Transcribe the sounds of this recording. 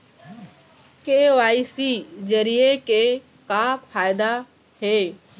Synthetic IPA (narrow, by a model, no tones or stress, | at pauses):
keːʋaːisiːzəɾieke | kaːpfʰaːjd̪a | ɦeː